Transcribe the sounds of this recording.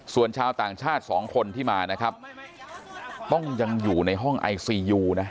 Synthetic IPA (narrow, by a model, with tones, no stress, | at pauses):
su˨˩ənt͡ɕʰaː˧wt̪aː˨˩ŋt͡ɕʰaː˥˩t̪̚sɔː˩˦ŋkʰo˧nt̪ʰiː˥˩maː˧na˦˥kʰa˦˥p̚ | t̪ɔ˥˩ŋja˧ŋjuː˨˩na˧jɦɔ˥˩ŋʔa̰˧jsiː˧juː˧na˦˥ʔ